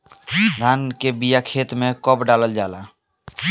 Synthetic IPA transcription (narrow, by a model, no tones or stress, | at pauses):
ɾankebijakʰet̪mekɔpɖaləld͡ʒala